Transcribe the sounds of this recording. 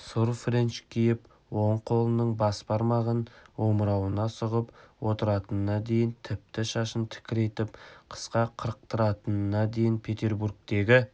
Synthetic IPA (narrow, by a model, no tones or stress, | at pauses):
sʊɾfɾent͡ʃkʲʰijɪp | woɴqʰo̞lˠənəɴbɑspɑɾmɑʁənwo̞mɾɑwənɑsʊʁəpwo̞t̪əɾɑt̪ənənɑd̪e̞jɪnt̪ʰɪp̚t̪ɪʃɑʃənt̪ʰɪ̥kʲɪɾe̞jt̪ɪpqʰə̥sqɑqʰəɾəq̚t̪əɾɑt̪ənənɑd̪e̞jɪnpʰe̞t̪e̞ɾburk̚t̪e̞ɡʲɪ